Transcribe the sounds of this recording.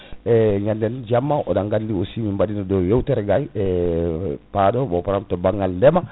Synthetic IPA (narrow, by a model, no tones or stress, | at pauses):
eɲandɛnd͡ʒamːaʔodaŋɡandiosimimbadinodojewtɛɾɛɡajɛ | padobopaɾamtobaŋːalːɛma